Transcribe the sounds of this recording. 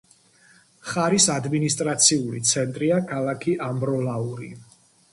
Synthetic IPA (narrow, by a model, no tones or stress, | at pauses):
χaɾisad̪minist̪ʼɾat̪sʰiulḭt̪sʰɛnt̪ʼɾiakʰalˠakʰiʔambɾɔlauɾḭ